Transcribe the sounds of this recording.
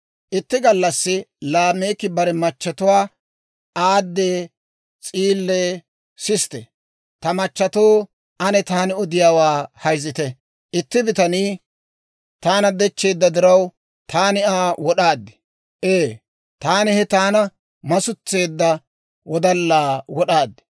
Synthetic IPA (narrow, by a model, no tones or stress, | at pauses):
ʔɪt̪ːɪɡɐlːɐsːɪlaːme̞ːkːɪbɐɾɛmɐt͡ʃːɐt̪ʊwaː | aːd̪ːeː | t͡sʼiːlːeː | sɪst̪ɛ̰ | t̪ɐmɐt͡ʃːɐt̪o̞ː | ɐnɛt̪aːnɪɔd̪ɪjaːwaːhɐjzɪt̪ɛ | ʔɪt̪ːɪbɪt̪ɐniː | t̪aːnɐd̪ɛt͡ʃːe̞ːd̪ːɐd̪ɪɾɐw | t̪ʰaːnɪaːwɔɗaːd̪ːɪ̥ | ʔeː | t̪aːnɪhɛt̪aːnɐ | mɐsʊt͡sːe̞ːd̪ːɐ | wɔd̪ɐlːaːwɔɗaːd̪ːɪ̥